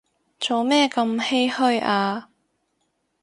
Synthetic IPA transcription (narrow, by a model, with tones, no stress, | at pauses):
t͡so˨˧wmɛː˥kɐ˧mhe˥jhɵ˥˧ɥʔaː˧